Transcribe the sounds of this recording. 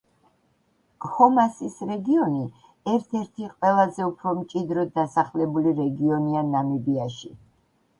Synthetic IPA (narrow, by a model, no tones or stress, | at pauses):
hɔmasisɾɛɡiɔni | ɛɾt̪ʰɛɾt̪ʰiqʼwɛlˠazɛupʰɾɔmt͡ʃʼid̪ɾɔasaχlɛbuliɾɛɡiɔnianamɛbiaʃi